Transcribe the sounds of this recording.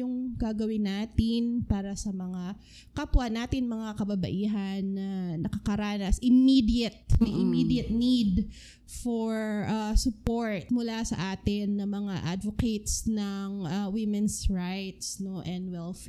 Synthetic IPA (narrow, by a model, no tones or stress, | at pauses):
jʊŋɡaɡɐwɪnaːt̪ɪnpaːɾɐsɐmɐŋa | kɐpʊanːaːt̪ɪnmɐŋakɐbɐbɐ̰ʔiːɦɐnːɐnɐkɐkɐɾaːnɐsʔɪmid̪iɐt̪̚mɐʔɪmid̪jɐt̪̚nid̪ | foɹʔasʊpoɹt̪̚mʊlasɐ̰ʔaːt̪ɪnːɐmɐŋaʔa̰d̪voket̪snɐŋʔawɪmɛnsɹajt̪snoʔɛ̃nd̪wɛlf